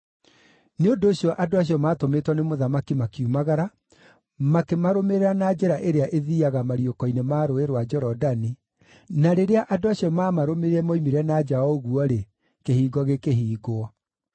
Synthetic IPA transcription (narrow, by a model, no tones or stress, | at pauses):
neondoːɕjɔʔadoaɕ̬iɔmaːtometwanemoðamakimakiumaɣaɾa | makemaɾomeɾeɾanad͡ʒɛɾaʔeɾeaʔeðiːaɣamaɾiokɔinemaːɾoeɾwad͡ʒɔɾɔdani | naɾeɾeaʔadoaɕijɔmaːmaɾomeɾeɛmoimiɾɛnad͡ʒaɔɣuɔɾe | kehiːɡɔɣekeɦiːɡoɔ